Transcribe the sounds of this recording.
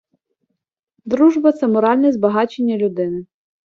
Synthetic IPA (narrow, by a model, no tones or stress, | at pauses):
d̪ɾuʒbɐt̪sɛmɔɾɑlʲnɛzbɐɦɑt͡ʃenʲːɐlʲʊd̪ɪnɪ